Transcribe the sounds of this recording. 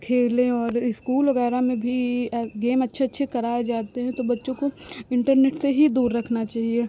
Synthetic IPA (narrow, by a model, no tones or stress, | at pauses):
kʰeːlẽɔːɾɪskuːlʋɐɣɛːɾamẽbʱiɡeːmɐtːʃʰeɐtːʃʰekɐɾaːed͡ʒaːt̪eɦɛ̃t̪obɐtːʃõkoɪ̃ɳʈəɾneːʈseɦid̪uːɾːɐkʰnat͡ʃaːɦieː